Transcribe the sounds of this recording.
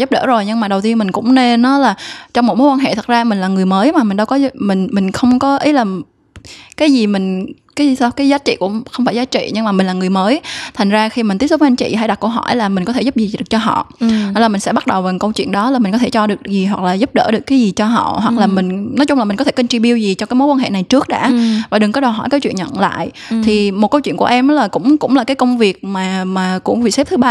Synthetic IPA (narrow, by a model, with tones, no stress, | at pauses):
zp̚ɗə̰ː˧˩zo˨˩jɲɨ˧ŋmaː˨˩ɗə˨˩wt̪i˧ənmï˨˩ŋ̟kʊ̰˧˥ŋ͡mne˧nːɔ˨˦laː˨˩t͡ɕɔ˧ŋ͡mmo˨˥tmo˨˦kwa˧ɦḛ˧˨t̪ʰə˨˩t̚zaː˧mï˨˩ŋ̟laː˨˩ŋɨ˨˩əjməː˨˦jmaː˨˩mï˨˩ŋ̟ɗə˧wkɔ˨˦mï˨˩ŋ̟mï˨˩ŋ̟xə˧wŋ͡mkɔ˨˦ʔi˨˦laː˨˩ | kaː˨˦jzi˨˩mï˨˩ŋ̟kaː˨˦˨kaː˨˦jzaː˨˦t͡ɕḭ˧˨kʊ̰˧˥ŋ͡mxə˧wŋ͡mfaː˧˩jzaː˨˦t͡ɕḭ˧˨ɲɨ˧ŋmaː˨˩mï˨˩ŋ̟laː˨˩ŋɨ˨˩əjməː˨˦jt̪ʰa˨˩ŋ̟zaː˧xi˧mi̟˨˩t̪i˦˥əsu˦˥və˧ʔnt͡ɕḭ˧˨ɦa˧˩jɗa˨˩kə˧wɦɔ̰˧˩jlaː˨˩mï̟˨˩kɔ˨˦t̪ʰe˧˩zʊ˦˥p̚zi˨˩ɨ˨˩k̚t͡ɕɔ˧ɦɔ̰˧˨a˧˦laː˨˩mï˨˩ŋsɛ̰˧˥ɓa˦˥t̚ɗə˨˩wvaː˨˩kə˧wt͡ɕwḭ˧˨ənɗɔ˨˦laː˨˩mi˨˩ŋ̟kɔ˨˦t̪ʰe˧˩t͡ɕɔ˧ɗɨ˨˩əkzi˨˩ɦwa˨˩k̚laː˨˩zʊ˦˥p̚ɗə̰ː˧˩ɗɨ˨˩əkːaː˨˦jzi˨˩t͡ɕɔ˧ɦɔ̰˧˨ɦwa˨˩k̚laː˨˩mï˨˩ŋ̟nɔ˨˦jt͡ɕʊ˧ŋ͡mla˨˩mi˨˩ŋ̟kɔ˦t̪ʰe˧˩ki˧ŋt͡ɕi˧˩ɓi˧əwzi˨˩t͡ɕɔ˧kaː˨˦jmo˨˦kwa˧nɦḛ˧˨na˨˩jt͡ɕɨ˦˥ək̚ɗa̰ː˧˥vaː˨˩ɗɨ˨˩ŋkɔ˨˦ɗə˨˩ɦɔ̰˧˩jkaː˨˦t͡ɕwḭ˧˨nɲə̰˧˨nla̰ː˧˨j | t̪ʰi˨˩mo˨˩t̚kə˧wt͡ɕwḭ˧˨ŋku˧˩əʔɛ˧mnɔ˨˦laː˨˩kʊ̰˧˥ŋ͡mkʊ̰˧˥ŋ͡mlaː˨˩kaː˨˦jkə˧wŋ͡mvi˨˩ək̚maː˨˩maː˨˩kʊ̰˧˥ŋ͡mvḭ˧˨sɛ˦˥p̚t̪ʰɨ˨˦ɓaː˧